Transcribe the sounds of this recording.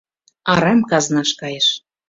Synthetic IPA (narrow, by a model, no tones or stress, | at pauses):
ɑɾɑmkɑznɑʃkɑjəʃ